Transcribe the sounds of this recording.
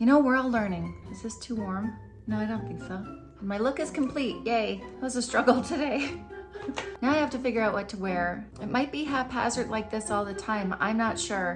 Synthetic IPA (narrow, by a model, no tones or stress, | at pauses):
jɨɾ̃oʊwɜ˞lˠdlɜ̃˞nɪ̃ŋɨzðɪstʰuwɔɹm | noʊaɪɾõʊ̃nθɪ̃ŋksoʊ | ɨ̃nmaɪlʊkɨz̥kʰm̩pʰl̥it̚jeɪzɨstɹ̥ʌɡl̩ˠtʰɨɾeɪ | naʊaɪhæftɨfɪɡjə˞aʊʔwʌtʰəwɛɹɨt̚maɪt̚b̥iɦæfhæ̰zə˞dlaɪk̚ðɪsɔlˠðɨtʰãɪ̃mã̰ɪ̃mnətʃʊɹ